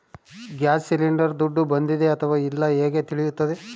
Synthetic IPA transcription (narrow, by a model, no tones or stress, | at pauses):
ɡjaːd͡ʒsiliɳɖɐɾd̪uɖːubɐnd̪id̪e̞ɐt̪ʰɐʋaːilːɐeːɡe̞t̪iɭijut̪ːɐd̪e